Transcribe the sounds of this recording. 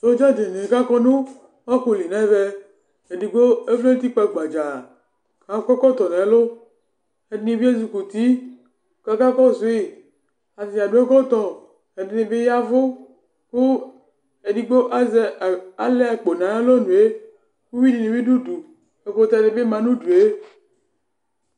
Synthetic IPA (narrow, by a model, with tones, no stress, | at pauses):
o˦d͡ʒa˦de˨ne˨ka˦kɔ˦nũ˦ | ɔ˦ko˨li˨nɛ̃˦vɛ˦ | e˨di˦ɡ͡bo˦e˦vle˦t̪i˦k͡pɔ˦˨ɡ͡ba˨d͡ʒa˨ | ka˨˦kɔ˦kɔ˦t̪ɔ˨nɛ̃˨˦lo˦ | e˨di˦nẽ˨vi˦e˦zi˨ku˨t̪i˦˨ | ka˦ka˦kɔ˦zo˨˦i˨ | a˨si˨a˨ɖu˦e˦kɔ˦t̪ɔ˨ | e˨di˨ne˨be˦ja˦vʊ˦ | ku˦ | e˨di˦ɡ͡bo˦ʔa˦ze˦˨a˨le˦a˨k͡po˨nã˨˦e˦lo˦nũ˨e˦ | ku˦wi˦di˨nĩ˨wi˦du˦du˨ | e˨ɸo˨t̪a˦ne˨be˦mã˨nũ˦du˨e˦